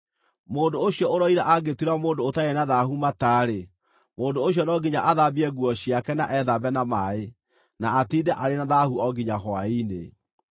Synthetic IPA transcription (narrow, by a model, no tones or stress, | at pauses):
moːndooɕjɔoɾɔiɾaʔaɡetwiɾamoːndoːtaenaðaɦumataːɾe | moːndooɕ̬jɔnɔɡiɲaʔaðabiɛɡwɔɕiakɛna̰ʔɛðabɛnamae | naːtiːdɛʔaɾenaðahuɔɡiɲaɦɔainḛ